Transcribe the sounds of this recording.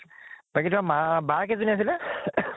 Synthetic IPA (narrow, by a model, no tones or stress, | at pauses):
b̥aɡitmamabakɛzunias̬ilɛ